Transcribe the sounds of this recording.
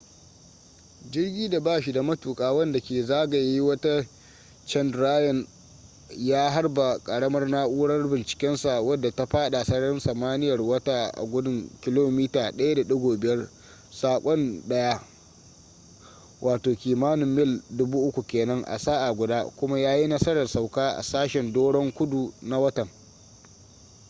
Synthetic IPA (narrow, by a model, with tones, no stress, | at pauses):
d͡ʒɪ˦rɡʲiː˦da˨baː˦ʃi˨da˨mɐ˦tuː˨kʼaː˦˨wɐ˦nda˨kʲeː˨zaː˦ɡa˨ji˦wɐ˦ta˦ | t͡ʃɛ˦ndɾaː˦jɔ˨n | jaː˦ɦa˦rba˨kʼɐ˨ɽɐ˦mɐ˦rnaː˦ʔuː˦ɽɐ˦rbɪ˨nt͡ʃɪ̥˨kʲɛ˦nsa˨wɐ˦dːa˨ta˦ɸaː˦ɗa˨sɐ˦ɽɐ˦nsɐ˨maː˦nɪ˦jɐ˨rwɐ˦taː˦ʔa̰˨ɡʷʊ˦dʊ˦ŋkʲɪ˦loː˦miː˦taː˨ɗɐ˦ja˦da˨ɗʊ˦ɡʷoː˨bɪ˨jɐ˦r | saː˨kʷʼɔ˦nɗɐ˦ja˦ | wʔaː˨toː˨kʲiː˨maː˦nɪ˨mːɪ˦˨ldʊ˦buː˦ʔʊ˦kʷu˨kʲeː˨nɐ˦ŋʔa̰˨saː˦ʔa˨ɡʷʊ˨daː˦kʷʊ˦ma˦jaː˦ji˦nɐ˦sɐ˦ɾɐ˨rsa˨wkaː˦ʔa̰˨saː˦ʃɛ˨ndoː˦ɽɔ˦ŋkʷʊ˦du˨na˦wɐ˦tɐ˨ŋ